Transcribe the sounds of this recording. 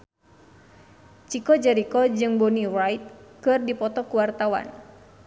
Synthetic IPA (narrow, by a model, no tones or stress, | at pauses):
t͡ʃikɔd͡ʒɛɾikɔd͡ʒɨŋbɔnirajt̪̚kɨrdipɔt̪ɔkuwart̪awa̰n